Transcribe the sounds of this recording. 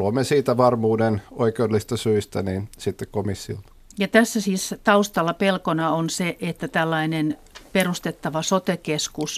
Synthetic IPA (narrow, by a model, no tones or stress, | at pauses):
luɑmːesiːt̪æʋɑrmuːdenoikeodelis̆t̪ɑsyist̪æninsit̪ːekkomisːilt̪ɑ̥ | jɑt̪æsːæsiːst̪ɑust̪ɑlːɑpelkonɑonseʔet̪ːæt̪ælːɑinen | perust̪et̪ːɑʋɑsot̪ekeskus